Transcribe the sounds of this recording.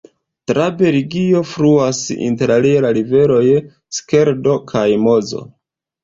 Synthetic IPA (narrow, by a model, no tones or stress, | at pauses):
tɾabe̞ɾiɡio̞fɾuasḭnte̞ɾalilaɾive̞lo̞j | ske̞ɾdo̞kʰajmo̞zo̞̰